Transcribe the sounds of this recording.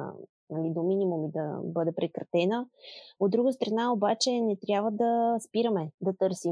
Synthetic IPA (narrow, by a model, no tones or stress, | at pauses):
nɐlid̪ominʲimumid̪ɐ̰bɤd̪ɛpɾɛkɾɐt̪ɛnəod̪ːɾuɡəst̪ɾɐnaobat͡ʃɛnɛt̪ɾʲjabvəd̪ɐspiɾəmɛd̪ɐt̪ɤɾsi